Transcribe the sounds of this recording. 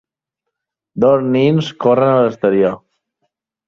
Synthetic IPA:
d̪ozninskorənələst̪əɾio

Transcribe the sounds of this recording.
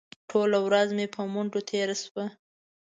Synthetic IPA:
ʈʰolawɾazmepʰəmuɳɖot̪ʰeɾaswə

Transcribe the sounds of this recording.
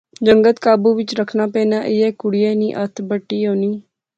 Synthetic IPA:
d͡ʒəŋɡət̪kaːbuːʋɪt͡ʃɾəkʰnaːpɛ̃ːnaːʔɪɛːkʊɽɪjɛːniːʔət̪ʰbəʈːiːɦoːniː

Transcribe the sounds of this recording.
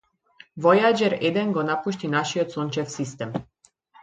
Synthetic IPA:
vɔjad͡ʒɛɾɛd̪ɛnɡɔnapuʃt̪inaʃiɔt̪sɔnt͡ʃɛfsist̪ɛm

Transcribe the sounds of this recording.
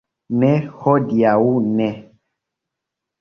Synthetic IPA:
nɛxɔdiawunɛ̃

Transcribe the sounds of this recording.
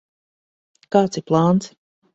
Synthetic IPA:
kaːt̪siɾplˠaːnt̪s

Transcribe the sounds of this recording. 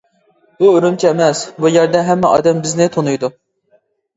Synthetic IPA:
buøɾymt͡ʃʰɛɛmɛsbujɛɾd̪ɛɦɛmːɛɑ̰ːd̪ɛmbɪznɪt̪ʰonujd̪u

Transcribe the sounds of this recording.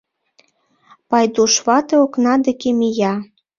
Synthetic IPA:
pɑjd̪uʃβɑt̪eoknɑd̪ekemijɑ

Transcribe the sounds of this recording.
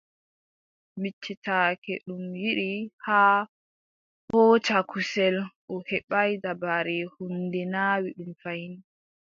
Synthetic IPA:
mit͡ʃːitʰaːkɛɗumjiɾihaː | hɔːt͡ʃakusɛlʔɔhɛɓajdabaɾɛhundɛnaːwiɗumfajini

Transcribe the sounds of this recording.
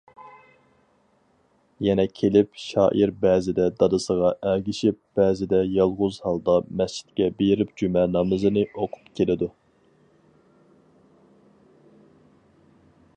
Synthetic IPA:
jɛnɛkʲʰelɪpʃɑ̰ːʔiɾbɛːzɪd̪ɛd̪ɑd̪ɨsəʁɑʔælɡʲiʃip̚b̥ɛːzɪd̪ɛjɑlˠʁʊzhɑlˠd̪ɑmɛst͡ʃʰi̥t̪̚kʲɛbejɪɾɪpd͡ʒymɛnɑmɨzɨnɨʔoqʰʊ̥pkʲʰelɪd̪u

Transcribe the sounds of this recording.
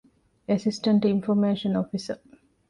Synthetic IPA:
esɪsʈə̃ɳʈinfoɾmeːʃənofisə

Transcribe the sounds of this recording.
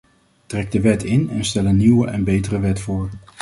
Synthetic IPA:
trɛɡ̚dəʋɛtʰɪnɛnstɛlənːiwəʔɛnbejtərəʋɛtfʊːɹ

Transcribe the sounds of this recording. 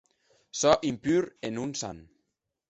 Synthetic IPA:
sɔʔimpyɾenunsa̰n

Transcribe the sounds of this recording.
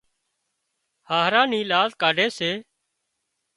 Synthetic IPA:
haːɦɾãːniːlaːzkaːɖʱeːseː

